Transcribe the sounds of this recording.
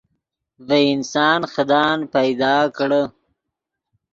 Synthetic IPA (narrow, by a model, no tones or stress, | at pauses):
vəɪnsɑːnxəd̪ɑːnpajd̪ɑːkɽə